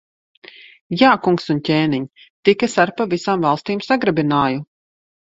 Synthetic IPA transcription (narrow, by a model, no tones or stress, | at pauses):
jaːkuŋksuncʲeːniɲ | t̪ikasaɾpavisaːmvalˠst̪iːmsaɡɾabinaːju